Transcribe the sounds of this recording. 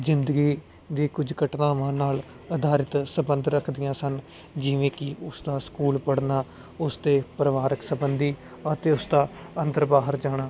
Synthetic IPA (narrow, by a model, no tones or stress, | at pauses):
zɪnd̪əɡiː | d̪iːkʊd͡ʒkəʈnãːʋãːnaːl | əd̪aːɾɪt̪səbə̃nd̪ɾəkʰd̪ɪjãːsən | d͡ʒɪʋẽːkɪʊsd̪aːskuːlpəɽnaː | ʊst̪eːpɾəʋaːɾəksəbənd̪iː | ət̪eːʊsd̪aːənt̪əɾbaːɦəɾd͡ʒaːɽ̃aː